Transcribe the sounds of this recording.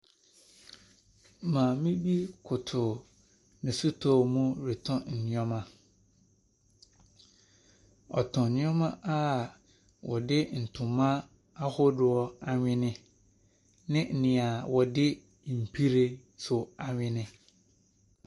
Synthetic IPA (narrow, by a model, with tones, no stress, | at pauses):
mã˨mĩ˦bi˦kʰʊ˨tʰʊ˨ | nɪ̃˨sʊ˦tʰɔ˦˨mũ˦ɾɪ˨tʰɔ̃˦n̩˨nɪ̃˦ɔ̃˦mã˦ | ɔ̰˨tʰɔ̃˨nɪ̃˦ɔ̃˦mã˦ʔa˦˨ | wɔ˨dɪ˦n̩˨tʰʊ̃˨mã˦ | a˦hʊ˦dʊ˨ɔ˦a˨ɲᶣɪ̃˦nɪ̃˦ | nɪ̃˦n̩˨nɪ̃˨a˨wɔ˨dɪ˦˨ | m̩˨pʰi˦ɾe˨ | sʊ˨a˨ɲᶣɪ̃˦nɪ̃˦